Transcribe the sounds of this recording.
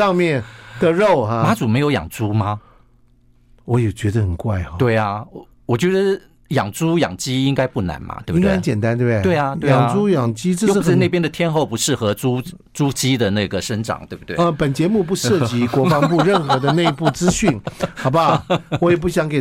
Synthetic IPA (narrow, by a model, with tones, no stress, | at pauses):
ɑ˥˧ŋmjɛ˥˨nt̪ə˨ɻo˥˨˩ʊɦa˧ma˧˥t͡su˨˩me˧˥ɪjo˧˥jɑ̰˨˩ŋt͡su˥ma˧ | wɔ˧˦˥jɛ˨˩t͡ɕɥɛ˧˥d̪ə˧xə˨˩nkwa˥˩ɪ˧t̪we˥˩ɪa˨˩˧ | wɔ˨˩t͡ɕɥɛ˧˥d̪ə˧ | jɑ˨˩ŋt͡su˥jɑ̰˨˩ŋt͡ɕi˥i˥ŋka˥ɪpu˥˩na̰˧˥nmɐ̰˨˩t̪we˥˩bibŋka˥˧t͡ɕjɛ˨˩nt̪a˦nt̪we˥˩t̪we˥ɪa˩t̪we˥˩˨ŋ˨t͡su˥jɑ˨˩ŋt͡ɕi˥ʈ͡ʂə˥˧o˥˧˥ne˥˩pjɛ˥nd̪ə˨t̪ʰjɛ˥nxo˥˨˩ʊpu˧˥ʂɻ̩˥˩xɤ˧˥t͡su˥ | t͡su˥t͡ɕi˥d̪ə˨na˥˩ɡə˩ʂə˥nʈ͡ʂɑ̰˨˩ŋt̪we˥˩ɪbu˩t̪wḛ˥˦ə˧pə˨˩nt͡ɕjɛ˧˥mu˥˩p̬u˧ʂɤ˥˩t͡ɕi˧˥kwɔ˧˥fɑ˧˥p̬u˥˧ɻə˥˩nxɤ˧˥d̪ə˧ne˥˧ɪ˧pu˥˩t͡sɹ̩˥ɕy˥˩nxɑ˨˩ʊba˦wɔ˦˥jɛ˨˩p̬u˥˩ɕjɑ˧˦ŋke˨˩